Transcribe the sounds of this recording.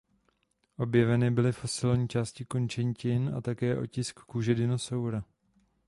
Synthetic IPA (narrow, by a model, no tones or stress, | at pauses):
ʔo̞bjɛvɛnɪbɪlɪfo̞sɪlɲiːt͡ʃaːscɪkont͡ʃɛɲcɪna̰t̪akɛːʔo̞̰cɪskːuːʒɛdɪno̞sawɾa